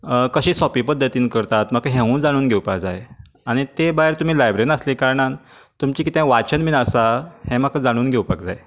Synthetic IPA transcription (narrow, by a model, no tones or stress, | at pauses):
kəɕiːsɔpipəd̪ʱːət̪iːnkəɾt̪at̪məkaɦẽʋuːnd͡zaɽ̃uːnɡʱewpakd͡zaj | aɽ̃it̪ebaɦeɾt̪um̤iːlajbɾenəslikaɾɳan | t̪umt͡ɕiːkit̪ɛ̃ʋat͡ɕənminəsahẽmakʰad͡zaɽ̃uːnɡʱewpakd͡za̰j